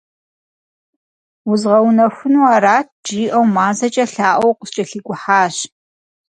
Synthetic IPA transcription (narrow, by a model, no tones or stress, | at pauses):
wʊzʁɐwnɐxʷʊnuaːɾaːt̚ʰd͡ʒiːʔɐwmaːzɐt͡ʃʼɐɬaːʔʷɔwqəst͡ʃʼɐɬiɡʷʼʊħaːɕ